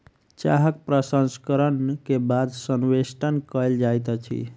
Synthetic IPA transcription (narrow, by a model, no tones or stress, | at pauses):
t͡ʃa̰ɦəkpɾəsənskəɾənkebad̪sənwesʈənkəld͡ʒajt̪ət͡ʃʰḭ